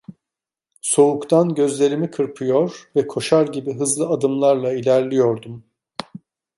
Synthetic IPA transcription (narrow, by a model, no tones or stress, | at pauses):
so̞ukt̪ʰanɟø̞zlʲe̞ɾimikʰɯɾpʰɯjo̞ɾvɛkʰo̞ʃaɾɟibiɦɯzlˠɯad̪ɯmlˠaɾlˠailʲæɾlʲijo̞ɾd̪um